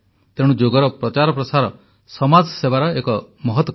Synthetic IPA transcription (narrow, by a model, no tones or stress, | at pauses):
t̪eɽ̃ud͡ʒoɡɔɾɔpɾɔt͡ʃaɾɔpɾɔsaɾɔ̰ | sɔmad͡ʒsebaɾɔekɔmɔɦɔt̪wɔ